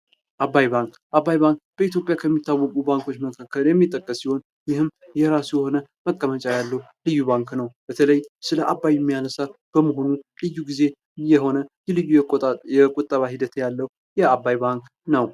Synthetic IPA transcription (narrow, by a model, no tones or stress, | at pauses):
ʔabːajbaŋk | ʔabːajbaŋkb̥əit̪jo̞pʼjakʰəmːit̪ːawːəkʼubaŋko̞t͡ʃːməkʰakːəljɛmːit̪ʼːəkʼːəsːiho̞n | jɪhɨm | jɛɾasujɛho̞nəməkʼːəmət͡ʃʼajalːəu | lɨjːuβaŋknəwb̥ət̪ʰələjsɨləʔabːajɛmːijanəsa | b̥əmoɦo̞nulɨjːuɡize̞ | jɛɦo̞nəjɛlɨjːujjɛkʼot̪ʼːəβahid̪ət̪ʰjalːəu | jɛabajbaŋk | nəw